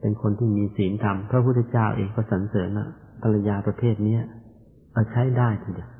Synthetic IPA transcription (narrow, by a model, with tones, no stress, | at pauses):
pe˧nkʰo˧nt̪ʰiː˥˩miː˧siː˩˦nt̪ʰa˧mpʰɾa˦˥pʰu˥˩t̪ʰːt͡ɕaː˥˩wʔḛː˧ŋkɔː˥˩sa˩˦nsɤː˩˦mʔa̰˨˩pʰa˧la˧jaː˧pɾa˧pʰeː˥˩t̪̚ni˦˥ɐ | ʔaː˧˩t͡ɕʰa˦˥jdaː˥˩jt̪ʰiː˧˩di˨˩w